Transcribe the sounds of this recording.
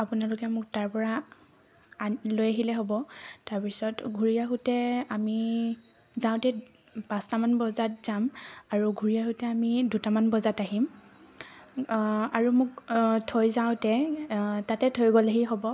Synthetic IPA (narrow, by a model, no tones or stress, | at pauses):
apʊnalʊkɛmʊk̚taɹpɔɹa | lojaɦilɛɦobɔtaɹpisɔtɡʱuɹijaɦutɛami | zaw̃tɛ | pãstamanbɔzatz̥amaɹuɡʱuɹijaɦʊtɛamidutamanbɔzataɦim | aɹumʊktʰojzaʊ̃tɛtatɛtʰojɡɔlaɦiɦɔbɔ